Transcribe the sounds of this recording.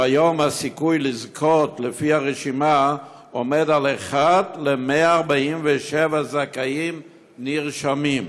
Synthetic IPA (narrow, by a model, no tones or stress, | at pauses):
ajo̞mhasikujlizkʰotlefihaʁeʃima | omedaleχatlemeaːʁbaimveʃevazakaim | niʁʃamim